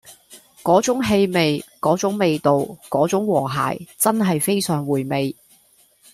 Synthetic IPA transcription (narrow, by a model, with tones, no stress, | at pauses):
kɔː˨˥t͡sʊ˨˥ŋɦe˧jme˨jkɔː˨˥t͡sʊ˨˥ŋme˨˧jt̪o˨wkɔː˨˥t͡sʊ˨˥ŋwɔː˨˩ɦa̰ː˨˩jt͡sɐ˥nɦɐ˨jfe˥jsœː˨˩ŋwuː˨˩jme˨j